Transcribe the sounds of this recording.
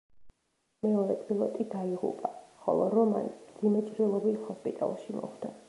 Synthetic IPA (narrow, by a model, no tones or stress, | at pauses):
mɛɔɾɛpʼilˠɔt̪ʼid̪aiʁṵpʼaχɔ̰lˠɔ̰ɾɔma̰nmd̪zimɛt͡ʃʼɾilˠɔbit̪hɔspʼit̪ʼa̰lˠʃimɔ̰χd̪̥a